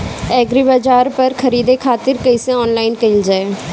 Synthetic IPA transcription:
ɛːɡɾiːbəd͡ʒaːɾpəɾkʰəɾiːd̪eːkʰaːt̪ɪɾkəɪsẽɔːnlaːɪnkəild͡ʒaːeː

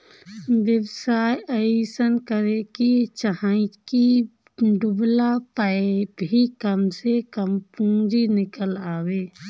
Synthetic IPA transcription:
ʋjəwsaːjəisənkəɾekit͡ʃəɦãɪt͡ʃki | ɖʊblapaebʱikəmsekəmpũːd͡ʒinɪkəlaːweː

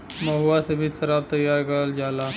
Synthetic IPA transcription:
mɐɦuasebʱit̪sɐɾaːb̚t̪ɐjaːɾɡald͡ʒaːlaː

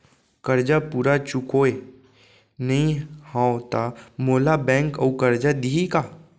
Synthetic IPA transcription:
kəɾd͡ʒapuːɾat͡ʃʊkoːe | nɐĩhãːot̪amoːlabɛ̃ːŋkə̰ukəɾd͡ʒad̪iika

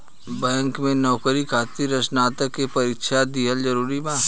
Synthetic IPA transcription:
bɛ̃ːŋkmẽnɔːkəɾikʰaːt̪iɾət͡ʃnaːt̪əkːepɐɾiːkʃad̪iɦəld͡ʒɐɾuːɾibaː

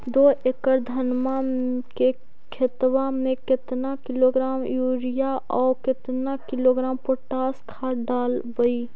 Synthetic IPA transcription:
d̪oːekəɾd̪ʱənmake | kʰet̪wamẽkɪt̪nakɪloɡɾaːmjuːɾijaɔːɾkɪt̪nakɪloɡɾaːmpoʈaːskʰaɖaːlbəi

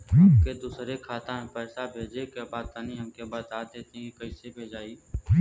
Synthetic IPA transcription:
ked̪uːsɾekʰaːt̪ãɦẽpɛːsabʱeːd͡ʒekebaːd̪̚t̪ənĩɦɐmkebaːt̪aːd̪d̪eːt̪ẽikɐisebʱeːd͡ʒaːiː

